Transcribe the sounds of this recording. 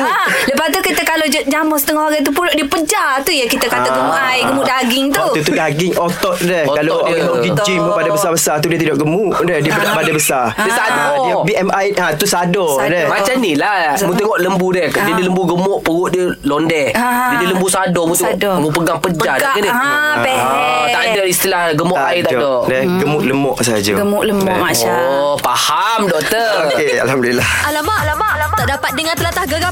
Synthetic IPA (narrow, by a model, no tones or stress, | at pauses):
ləpat̪ukit̪əkalod͡ʒd͡ʒamɔsə̥t̪əŋɔhaɡat̪̬upulɔʔdiəpəd͡ʒat̪ujakit̪əkaaɡəmajɡəmuʔdaɡɪŋt̪ut̪ut̪udaɡɪŋot̪ɔʔ̪̚dɛhkaloiəɡəŋɔʔɡid͡ʒiməpadabəsabəsat̪udiət̪idɔʔɡəmu | dɛhdiəbədpadabəsa | diəsad | biʔɛmajat̪usadɔ | dɛmat͡ʃanilamũt̪əŋɔʔləmbudɛhdiədiləmbuɡəmɔʔpəwʊʔdiə | lɔndɛd͡ʒədələmbusadɔmũt̪eŋɔʔmupəɡaŋpəd͡ʒat̪aʔɡənə | t̪aʔdəist̪ilahɡəmɔʔajt̪adɔʔdɛɡəmɔʔləmɔʔsad͡ʒə̰əmɔʔləm | pahamdɔʔt̪əokea̰lhamduilah | t̪aʔdapat̪̚dəŋant̪əlat̪ahɡə